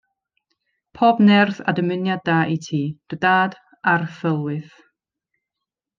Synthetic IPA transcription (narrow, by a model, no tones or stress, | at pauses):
pʰɔːbnɛrθa̰dəmɪnjad̚aːʔitʰiːd̥ɨdaːd | arfəlˠwɨθ